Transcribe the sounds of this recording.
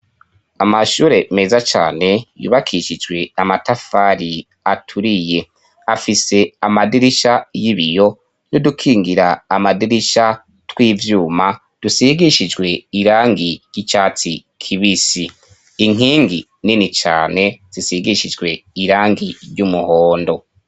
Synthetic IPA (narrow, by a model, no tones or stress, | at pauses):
amaʃuːɾe̞me̞ːzat͡ʃa̰ːne̞jṵːβakʰiʃid͡ʒɡwe̞amatafaɾi | atʰuɾije̞ | afise̞amadiɾiʃajiβijo̞ | nodukʰiːŋɡiɾaːmadiɾiʃa | twiːvjuːma | d̥usiɡiʃid͡ʒɡwe̞iɾaːŋɡiɾjit͡ʃaːt͡si | kʰiβisi | iŋ̥iːŋɡi | ninit͡ʃa̰ːne̞z̥isiɡiʃid͡ʒɡwe̞iɾaːŋɡiɾɟumuhoːndo̞